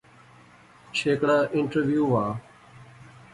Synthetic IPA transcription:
t͡ʃʰeːkɽaːʔɪɳʈəɾʋjuːʋaː

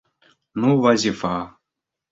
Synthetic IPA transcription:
nuwazifa

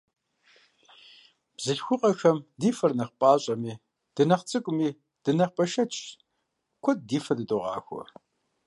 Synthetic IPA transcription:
b̥zɨɬxʷʊqʼɐxɐmdiːfɐrnɐχpʼaːɕʼɐmiː | d̥ɨnɐχt͡sʼɨkʷʼʊmiː | d̥ɨnɐχpʼɐʃɐt͡ʃʼ | kʷʰɔd̚diːfɐdɨtʼoʁɑ̰ːxʷɔ̰

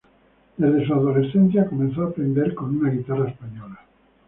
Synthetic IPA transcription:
d̪ezðesuaðolesθenθjakomẽnθoapɾẽnd̪eɾkonunaɣit̪araespaɲola

